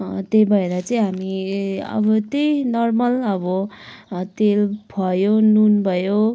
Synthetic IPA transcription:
t̪ejbʱʌeɾat͡sʌĩɦamiʌ̰bʌt̪ejnʌrmʌlʌbʌ | t̪elbʱʌjonunbʱʌjo

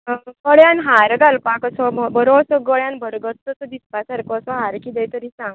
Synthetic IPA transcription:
ɡəɽjanɦaɾɡalpãkəsɔmbəɾoːsɔɡəɭjãnbʱəɾɡət̪ːɔsɔd̪ispasaɾkɔːsɔɦaɾkid̪ɛjt̪əɾiːsãŋɡ

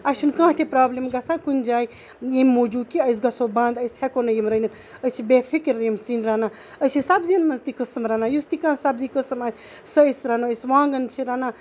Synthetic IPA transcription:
ɐʃʰunkãːt̪ʰepɾaːblimɡɐsãːkunʲd͡ʒaːj | jemmoːd͡ʒuːkiɐs̬ɡɐsoːbãːnd̪ɐjshekonɐjimɾɐnit̪ | ət͡ʃʰibeːfʰikiɾjimsiːnɾaːnaː | ət͡ʃʰisɐbziɐnmɐnzt̪ikəsɐmɾanaːjust̪ikãːsɐbzikəsɐmaːt̪ʰ | sɐsɾanoəsʋãːŋɡɐnt͡ʃʰiɾaːnaː

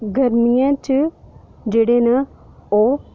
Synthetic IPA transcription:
ɡʱɐɾmijãt͡ʃid͡ʒeːɽenɐo

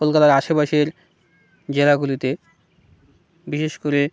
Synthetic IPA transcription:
kolkat̪aɾaʃobaʃeɾ | d͡ʑelaɡulit̪e | biʃeʃkoɾe

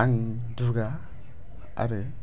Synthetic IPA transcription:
aŋ | duɡa | a̰ɾɯ

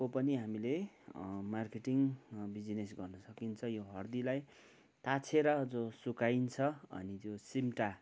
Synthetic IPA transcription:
kopʌniɦamile | markeʈiŋbid͡zinesɡʌrnʌsʌkint͡sʰʌjoɦʌrd̪ilaj | t̪at͡sʰeɾʌd͡zosukaint͡sʰʌʌ̰nit̪josimʈa

